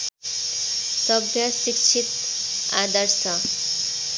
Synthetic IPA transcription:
sʌbʱjʌsikt͡ʃʰit̪ | ad̪əɾsʌ

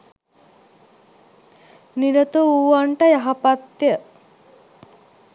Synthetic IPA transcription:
niɾət̪uuʋaɳʈəjaɦapat̪jə

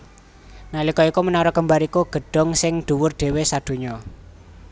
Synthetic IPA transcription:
nalikɔikumənaɾɔkəmbaɾikuɡ̥ə̤ɖ̥ɔ̤ŋsɪŋd̪̥ṳwʊrɖ̪̥e̤wesad̪̥ṳɲɔ

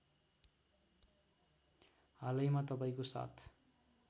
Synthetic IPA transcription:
ɦalʌjmat̪ʌpaĩkosa̰t̪ʰ

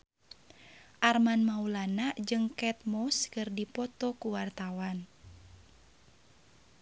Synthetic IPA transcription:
ʔarmanmaulanaʔd͡ʒɨŋkɛt̪̚mɔskɨrdipɔt̪ɔkuwart̪awan

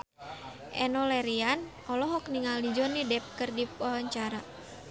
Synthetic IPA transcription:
ʔɛ̰nɔlɛɾian | ɔlɔɦɔk̚niŋalid͡ʒɔnidɛp̚kɨrdipɔɦɔɲt͡ʃaɾa

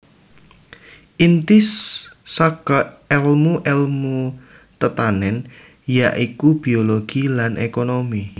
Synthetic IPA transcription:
ʔint̪ɪsːakɔɛlmuʔɛlmu | t̪ət̪anɛn | jaʔikub̥ioloɡ̥ilanʔekonomi

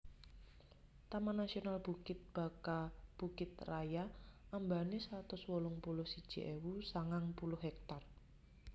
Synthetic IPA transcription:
t̪amanasionalb̥ukɪt̪̚b̥a̤kab̥ukɪt̪rajaambanesɾat̪ʊswɔlʊŋpulʊhsid̥ʒ̥ḭʔewusaŋaŋpulʊhɛk̚t̪ar

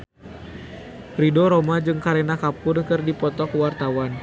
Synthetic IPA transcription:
ridɔɾɔmad͡ʒɨŋkaɾenakapʊrkɨrdipɔt̪ɔkwart̪awan

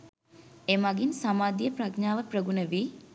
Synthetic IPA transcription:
emaɡinsamaːd̪ijəprakɲaːʋəprəɡunəʋiː

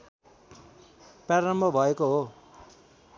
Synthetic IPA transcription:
paɾʌmbʱʌbʱʌekoɦo

